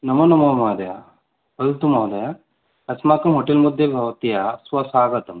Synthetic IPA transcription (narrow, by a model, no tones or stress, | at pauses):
nɐmɐnɐmɐmɐːd̪ɐja | pɐlt̪umaːd̪ɐja | ɐsmaːkɐmɦoʈelmud̪ʱjɐbʱɐʋɐt̪ijasʋɐsaːɡɐt̪ɐm